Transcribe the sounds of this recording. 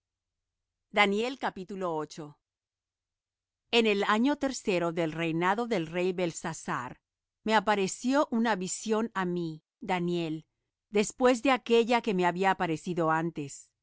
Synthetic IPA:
d̪anje̞lkapit̪ulo̞ot͡ʃo̞ | e̞ne̞laɲo̞t̪e̞ɾse̞ɾo̞ðe̞lre̞jnaðo̞ðe̞lre̞jβe̞lsasa̰ɾ | me̞apaɾe̞sjo̞ʔunaβisjo̞nami | d̪anje̞l | d̪e̞spwe̞zðe̞ake̞ʝake̞me̞aβiapaɾe̞siðo̞ant̪e̞s

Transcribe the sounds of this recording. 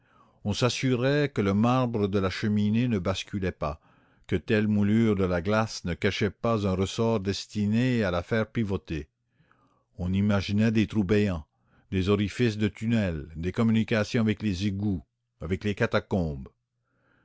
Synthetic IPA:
ɔ̃sasyʁɛkələmaʁbʁəd̪əlaʃəminenəbaskʲylɛpa | kət̪ɛlmulyːʁd̪əlaɡlasnəkaʃɛpazɛ̃ʁəsɔʁd̪ɛst̪inealafɛʁpivot̪e | ɔ̃nimaʒinɛd̪et̪ʁubɛjɑ̃ | d̪ezɔʁifisd̪ət̪ynɛld̪ekɔmynikasjɔ̃avɛklezeɡu | avɛklekat̪akɔ̃ːb

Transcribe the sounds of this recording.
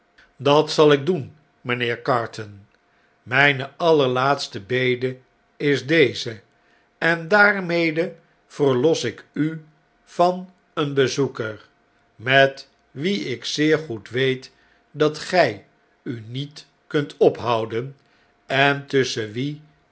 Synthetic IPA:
dɑtsɑlˠɪɡ̚dun | mənɪːɹkɑɹtən | mɛjnəɑləɹlaːtstəbejdə | ɪzdejzə | ɛndaːɹmejdə | v̥əɹlɔsɪky | v̥ɑn | ənbəzukəɹ | mɛt | ʋiɪksɪːɹχutʋejt | dɑtχɛj | ynit | kɵntɔpɦʌwdən | ɛntɵsəʋi

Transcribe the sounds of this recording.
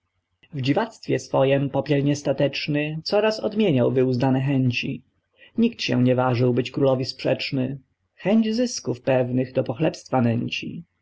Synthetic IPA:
vd͡ʑivat̪st̪fʲjɛsfɔjɛmpɔpʲjɛlɲɛst̪at̪ɛt͡ʂnɘt̪sɔɾasɔ̰d̪mʲjeɲawvɘuznanɛxɛɲt͡ɕi | ɲikt̪ɕɛ̰̃ɲɛvaʐɘwbɘt͡ɕkɾulɔvʲispʂɛt͡ʂnɘ | xɛɲd͡ʑzɘskufpɛvnɘɣd̪ɔpɔxlɛpst̪fanɛɲt͡ɕḭ

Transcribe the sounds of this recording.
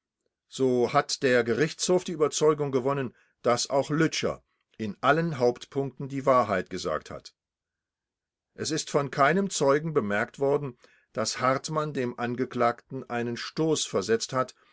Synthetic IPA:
z̥oːhatd̥eːɐɡəʁɪçt͡shoːfd̥iːyːbɐt͡sɔʏɡʊŋɡəvɔnən | d̥asʔaʊxlʏt͡ʃɐ̰ | ʔɪnʔalənɦaʊptpʰʊŋk̚tn̩diːvaːɐɦaɪt̚ɡ̥əza̰ːktha̰t | ʔɛsɪstfɔnkʰaɪnəmt͡sɔʏɡŋ̩bəmɛɐktv̥ɔɐdn̩ | d̥ashaʁtmandeːmʔanɡəkl̥aːktn̩ʔaɪnənʃtoːsfɛɐzɛt͡sthat

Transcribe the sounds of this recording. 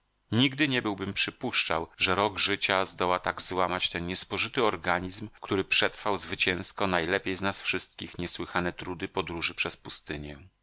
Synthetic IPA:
ɲiɡd̪ɘɲɛbɘwbɘmpʂɘpuʂt͡ʂawʐɛɾɔɡʐɘt͡ɕazd̪ɔwat̪aɡzwamat͡ɕt̪ɛnɲɛspɔʐɘt̪ɘɔɾɡaɲizmkt̪uɾɘpʂɛt̪ɾfawzvɘt͡ɕɛ̃w̃skɔnajlɛpʲjejznasfʂɘst̪̚kʲixɲɛswɘxanɛt̪ɾud̪ɘpɔd̪ɾuʐɘpʂɛspust̪ɘɲɛ

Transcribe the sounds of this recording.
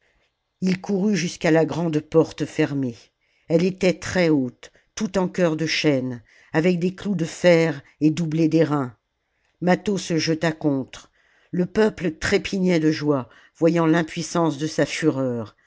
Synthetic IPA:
ilkʰuʁyʒyskalaɡʁɑ̃d̪pɔʁt̪fɛʁme | ɛlet̪ɛt̪χɛot̪ː | ut̪ɑ̃kʲœʁd̪əʃɛn | avɛk̚d̪eklud̪əfɛʁ | ed̪ubled̪eʁɛ̃ | mat̪osəʒət̪akɔ̃t̪χ | ləpœplət̪χepʰiɲɛd̪əʒwa | vwajɑ̃lɛ̃pɥisɑ̃sd̪əsafyʁœːʁ

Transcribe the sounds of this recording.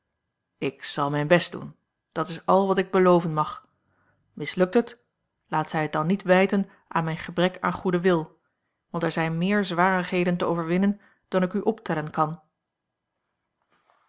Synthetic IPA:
ɪksɑlˠmɛjnbɛstdṵn | d̥ɑtɪsɑlˠʋɑtɪɡ̚bəlowvənmɑχ | mɪslɵk̚tət | laːtsɛjɦət̚dɑnːitʋɛjtən | ʔa̰ːnmɛjnχəbrɛka̰ːnχudəʋɪlˠ | ʋɑntɛɹzɛjnmɪːɹzʋaːrəχɦejdəntəo̰wvəɹʋɪnən | d̥ɑnɪkyʔɔptɛlənkɑn

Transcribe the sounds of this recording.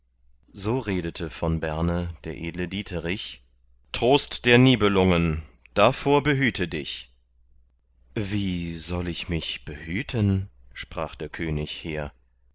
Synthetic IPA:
zoːʁeːdətʰəfɔnbɛɐnəd̥eːɐʔeːdlədiːtʰəʁɪç | tʁ̥oːstd̥eːɐniːbəlʊŋən | d̥afoːɐbəɦyːtʰədɪç | viːzɔlɪçmɪçb̥əhyːtʰənʃpʁ̥aːχd̥eːɐkʰøːnɪçheːɐ

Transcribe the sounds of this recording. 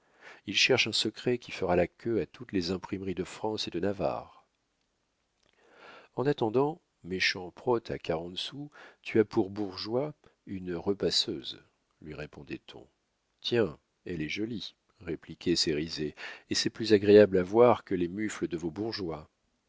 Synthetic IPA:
ilʃɛʁʃɛ̃səkχɛkʲʰifəʁalakʰʲøat̪ut̪lezɛ̃pχimʁid̪əfχɑ̃sed̪ənava̰ʁ | ɑ̃nat̪ɑ̃d̪ɑ̃ | meʃɑ̃pχɔt̪ʰa̰kaʁɑ̃t̪sut̪ʰyapuʁbuʁʒwaynʁəpasøz | lɥiʁepɔ̃d̪ɛt̪ʰɔ̰̃ | t̪ʰjɛ̃ | ɛlɛʒɔli | ʁeplikʲɛseʁizeesɛplyzaɡʁeablavwaʁkəlemyfləd̪əvobuʁʒwa

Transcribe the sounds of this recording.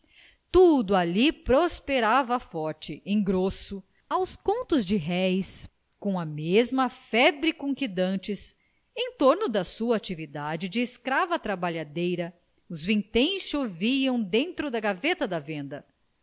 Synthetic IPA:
t̪ud̪ʊalipɾospeɾavɐfɔɾt͡ʃɪẽj̃ɡɾosʊ | awskõnt̪ʊzd͡ʒɪɦɛjs | kõw̃ɐmezmɐfɛbɾikũŋkid̪ɐ̃t͡ʃɪs | ẽj̃t̪oɾnʊd̪ɐsuɐat͡ʃivid̪ad͡ʒɪd͡ʒɪːskɾavɐt̪ɾabaʎad̪ejɾɐ | ʊzvĩt̪ẽj̃sʃoviɐ̃w̃d̪ẽnt̪ɾʊd̪ɐɡavet̪ɐd̪ɐvẽnd̪ɐ

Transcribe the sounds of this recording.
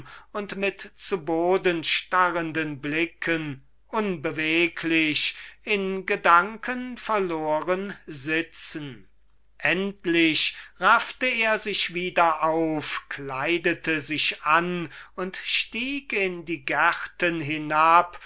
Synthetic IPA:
ʊntmɪtt͡suboːdənʃtaʁəndənblɪkʰən | ʔʊnbəveːkʰlɪɕɪnɡədaŋkʰənfɛɐloːʁənzɪt͡sn̩ | ʔɛntlɪɕʁaftəeːɐzɪʃv̥iːdɐʔaʊfkʰlaɪdətəzɪʃanʊntʃtiːkɪndiːɡaʁtənɦɪnap

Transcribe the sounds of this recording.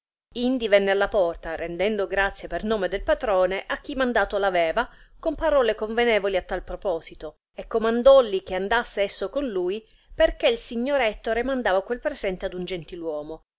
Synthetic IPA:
ind̪ivɛnːealːapɔrt̪aɾend̪ɛnd̪oɡɾat̪sːjepernoːmed̪elpat̪ɾɔːneʔak̟ːimand̪aːt̪olavɛːvakompaɾɔːlekoɱvenɛːvoliat̪ːalpɾopɔːzit̪o | ekːomand̪ɔlːik̟eand̪asːeɛsːokonluːj | perkeilsiɲːoɾɛt̪ːoɾemand̪aːvakwelpɾezɛnt̪ead̪und͡ʒent̪ilwɔːmo

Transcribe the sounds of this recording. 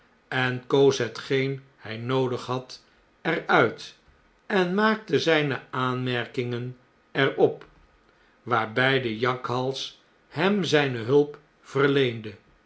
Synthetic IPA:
ɛnkowsɦətχejn | hɛjnowdəχɦɑt | ɛrœɥt | ɛnmaːk̚təzɛjnəaːnmɛɹkɪŋən | ɛrɔp | ʋaːɹbɛjdəjɑkɦɑlˠs | hɛmzɛjnəɦɵlˠp | fərlejndə

